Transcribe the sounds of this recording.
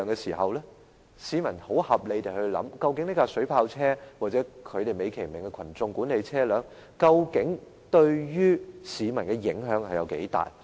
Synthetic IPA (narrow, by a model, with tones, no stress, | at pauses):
ŋkɛː˧siː˨˩ɦɐ˨wlɛː˥ | siː˨˧mɐ˨˩nho˨˥whɐ˨p̚le˨˧jt̪e˨jhɵ˧lɐ̰˨˥mkɐ˧wkɪ˨˧˥ŋni˥kaː˧sɵ˨˥ɥpʰaː˧wt͡sʰɛː˥waː˨t̚t͡sɛː˨˥kʰɵ˨˧t̪e˨jme˨˧jkʰe˨˩jmɪ˨˩ŋkɛ˧kʰɐ˨˩nt͡sʊ˧ŋkuː˨˥nle˨˧jt͡sʰɛː˥lœː˨˥ŋ | kɐ˧wkɪ˨˥ŋ | t̪ɵ˧ɥjyː˥siː˨˧mɐ˨˩nkɛ˧jɪ̰˨˥ŋɦœː˨˥ŋhɐ˨jɐ˨˧wkḛ˨˥jt̪a̰ː˨˩j